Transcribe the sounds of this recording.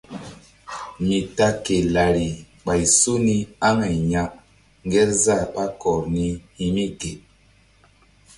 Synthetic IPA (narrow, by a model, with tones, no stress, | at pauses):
mi˨ta˦ke˨la˨ɾi˨ | ɓa˨i˨su˦ni˦a˦ŋa˨i˨ɲa˦ʔ | ŋ˦ɡɛ˦za˦˨ɓa˦kɔ˨ɾni˦hi˨mi˦ɡe˨